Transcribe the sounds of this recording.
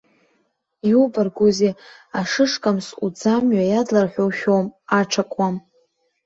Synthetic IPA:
iubarɡʷozeaʂɨʂkʼamsud͡zamɥajadlarħʷᶣowʃʲᶣowmaʈ͡ʂʰakʷʼwam

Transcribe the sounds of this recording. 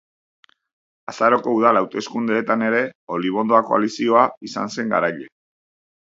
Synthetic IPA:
asaɾo̞ko̞uðalawt̪e̞skund̪e̞ːt̪ane̞ɾe̞o̞liβ̞o̞nd̪o̞ako̞̰a̰lisio̞aisa̰nse̞ŋɡa̰ɾajʎe

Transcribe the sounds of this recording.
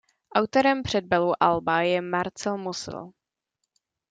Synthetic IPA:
ʔawt̪oɾɛmpr̝̥ɛd̪̚bɛluʔalbajɛmaɾt͡sɛlmusɪ̰l

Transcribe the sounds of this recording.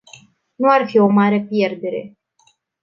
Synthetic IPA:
nuarfio̞maɾe̞pje̞rd̪e̞ɾe̞̰

